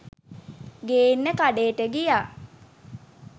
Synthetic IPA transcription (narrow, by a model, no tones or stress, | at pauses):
ɡeːinːəkaɖeːʈəɡijaː